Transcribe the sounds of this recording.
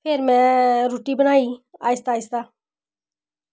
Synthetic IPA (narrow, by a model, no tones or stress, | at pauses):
pʰeɾmɛ̃ːɾoːʈiːbənaːiːa̰ːɪst̪aːɪst̪aː